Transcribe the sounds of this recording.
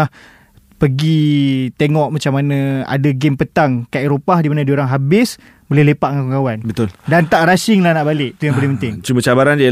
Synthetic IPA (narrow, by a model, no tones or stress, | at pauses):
ah | pəɡit̪eŋɔʔmat͡ʃamanãa̰daɡempət̪aŋkaeɾopahdimanadioɾaŋɦabɪs | bolɛhlepaʔŋakuŋkawanbət̪ʊldant̪aʔɾasɪŋlahnaʔbalɪʔt̪ujaŋbəlɪhpənt̪ɪŋt͡ʃumə̃t͡ʃabaɾand͡ʒa